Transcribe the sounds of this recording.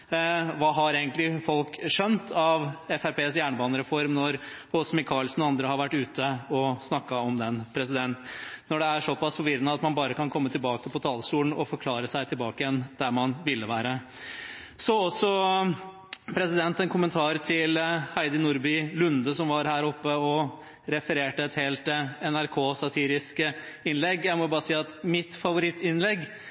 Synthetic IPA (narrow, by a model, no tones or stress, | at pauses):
ʋɑːɦɑɾeːɡənt̪lɪfɔlkʂœnt̪ʰɑʋɛfæɾpʰeːsjæːɳəbɑːnəɾɛfɔɾmnɔɾɔsmɪkʰɑlsn̩ɔɑnd̪ɾəhɑɾʋæʈːʉːt̪ʰəɔsnɑkːɑɔmd̪ɛnpʰɾɛs̬ɪd̪ɛnt̪nɔɖɛæʂɔpɑsfɔɾʋɪɾənəɑt̪mɑnbɑːɾəkɑnkʰɔmːət̪ɪlbɑːkəpʰɔt̪ʰɑːlst̪uːln̩ʔɔfɔɾkʰlɑːɾəsæɪt̪ʰɪlbɑːkəjɛnd̪̥æmɑnʋɪlːəʋæːɾə | sɔɔsːɔ | pʰɾɛsɪd̪ɛnt̪ɛnkʰʊmənt̪ʰɑːɾt̪ʰɪlhæɪd̪ɪnʊɾbɪlʉnd̪əsɔmʋɑɾhæːɾɔpːəɔ | ɾɛfəɾeːʈəɛt̪heːlt̪ɛnæɾkʰoːsɑt̪ʰiːɾɪskə | ɪnlɛɡːjæɪmɔʊbɑːɾsiːɑt̪mɪt̪fɑʋʊɾɪt̪ːɪnlɛɡ